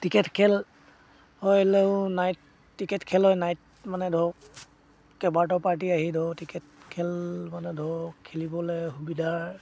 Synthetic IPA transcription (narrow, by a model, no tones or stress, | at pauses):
tikɛtkʰɛl | hɔjleʊnajt | tːikɛtkʰɛlɔjnajt̚ | manɛdʱɔ | kɛbaɹtɔpaɹt̬iaɦidʱɔtikɛtkʰɛlmanɛdʱɔkʰelibɔlɛxubidʱaɹ